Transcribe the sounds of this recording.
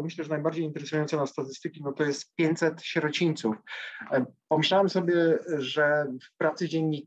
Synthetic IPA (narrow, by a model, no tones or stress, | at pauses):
mɘɕlɛʐɛnajbaɾd͡ʑejint̪ɛɾɛsujɔnt̪sɛnast̪at̪ɘst̪ɘkʲinɔt̪ɔjɛst̪pʲjeɲt̪sɛt̪ɕɾɔt͡ɕiɲt̪suf | pɔmɘɕlawɛmsɔbʲjɛʐɛfpɾat̪sɘd͡ʑɛɲːi